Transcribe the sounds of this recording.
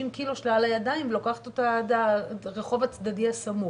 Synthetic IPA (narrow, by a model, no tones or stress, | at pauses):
imkiloʃlalajadajimvlokaχḁt̪ot̪adaʁeχo̞vat͡sd̪adiasamu